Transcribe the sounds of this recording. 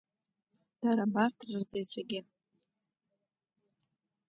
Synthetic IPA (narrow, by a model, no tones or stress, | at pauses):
d̥aɾabartʰrɨrd͡zejt͡ɕʷʰaɡʲɪ